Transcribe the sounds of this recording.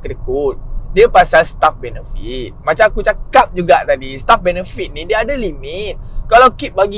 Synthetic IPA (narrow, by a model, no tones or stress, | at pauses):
kəɾikut̪̚diəpasalsə̥t̪afbɛnəfit̪̚mat͡ʃamakut͡ʃakap̚d͡ʒuɡaʔt̪adist̪afbɛnəfit̪̚nidiəadalimɪt̪̚kalawkip̚baɡi